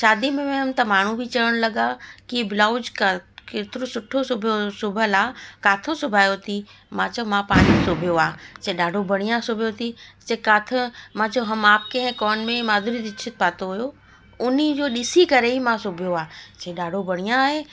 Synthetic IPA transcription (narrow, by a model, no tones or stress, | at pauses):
ʃaːd̪imẽmẽɦɐmt̪ɐmaːɳ̤ũbʱit͡ʃəəɽ̃lɐɡakibɪlaːʊd͡ʒkket̪ɾosʊʈʰːosʊbʱosʊbʱəlakaːt̪ʰə̃sʊbʱaːjot̪ʰi | mãt͡ʃomãpaːɽ̃isʊbʱijoaːseɗaːɖʱobɐɽ̃ijãsʊbʱjot̪ʰisekaːt̪ʰə̃mãt͡ʃoɦɐmaːp̚keɦɛ̃kɔːnmẽmaːd̪ʱuɾid̪ɪt͡ʃʰɪt̪̚paːt̪oɦujo | ʊnid͡ʑoːɗɪsikɐɾeɦimãsʊbʱijoaːseːɗaːɖʱobɐɽ̃ijãɦeː